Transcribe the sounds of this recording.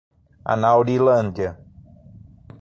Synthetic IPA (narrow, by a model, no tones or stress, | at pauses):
a̰nawɾilɐ̃nd̪jɐ